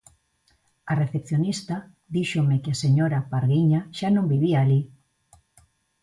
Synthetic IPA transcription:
areθepθjonist̪a | ðiʃomɪkeaseɲoɾapaɾɣiɲaʃanõmbiβiaːli

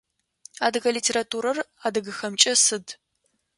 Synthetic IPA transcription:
aːdɨɣɐlitʰeːɾatʰuːɾɐraːdɨɣɨxɐmt͡ʃʼɐsɨd

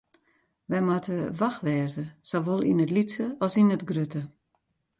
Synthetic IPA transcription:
ʋɛjmatəʋaxʋɛːzəsoʋolˠḭnətlisəɔsinətɡrøtə

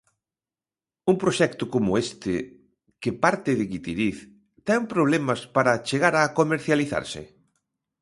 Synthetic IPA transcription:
uŋpɾoʃɛkt̪ʊkomʊest̪ɪ | kɪpaɾt̪ɪðɪɣit̪iðiθ | t̪ɛpɾoβ̞lɛmɐspaɾɐt͡ʃeɣaɾakomeɾθjaliθa̰ɾsɪ̰

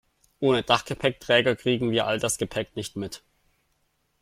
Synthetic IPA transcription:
ʔoːnəd̥aχɡ̥əpʰɛk̚tʁ̥ɛːɡɐkʁ̥iːɡŋ̩viːɐʔa̰ldasɡ̥əpʰɛknɪçtmɪt

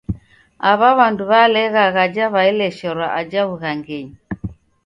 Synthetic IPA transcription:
aβaβanduβalɛɣaɣad͡ʒaβaɛlɛʃɔɾaʔad͡ʒaβuɣaŋɡɛɲi

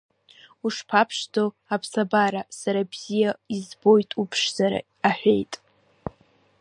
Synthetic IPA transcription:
uʂpʰapʰʂdo | apʰsabaɾasaɾabz̥ijaizbo̞jtʼupʰʂz̥aɾa̰ | aħʷᶣe̞jtʼ

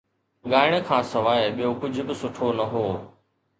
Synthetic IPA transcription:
ɠaːɪɽ̃kʰãːsɐʋaːɪɓijokʊd͡ʑʱbɪsʊʈʰonɐɦoː

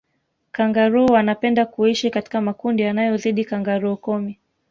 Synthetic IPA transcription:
kaŋɡaɾuɔwanapɛndakuiʃikati̥kamakundijanajɔziɗikaŋɡaɾuɔkɔmi

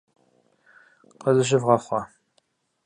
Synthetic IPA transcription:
qəzɨɕ̬ɪvʁɐχʷɑ

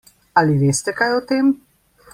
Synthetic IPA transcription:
aliʋeːst̪ɛkajɔt̪eːm

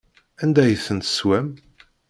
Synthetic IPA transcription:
ænd̪æjəθːənt̪swæm

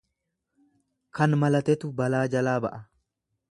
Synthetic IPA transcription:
kɐnmɐlɐt̪ɛt̪ʊbɐlaːd͡ʒɐlaːbɐʔɐ

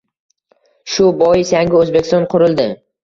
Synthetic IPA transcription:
ʃʊbɒjɪsaŋɡʲɪozbekʲɪst̪ɒnqʰʊɾɪlˠd̪ɪ

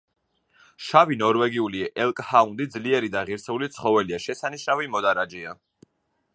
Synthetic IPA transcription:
ʃavinɔɾvɛɡiuliʔɛlˠkʼhaund̪id̪zliɛɾid̪aʁiɾsɛulit̪sʰχɔvɛliaʃɛsaniʃnavimɔd̪aɾad͡ʒia

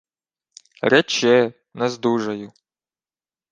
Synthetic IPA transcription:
ɾʲɛt͡ʃɛ | nɛzd̪uʒɐjʊ

